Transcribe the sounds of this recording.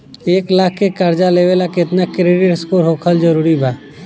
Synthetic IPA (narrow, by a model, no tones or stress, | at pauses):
eːklaːkʰːekəɾd͡ʒaleːʋelakɪt̪nakɾeːɖɪʈskoɾɦoːkʰəld͡ʒəɾuːɾibaː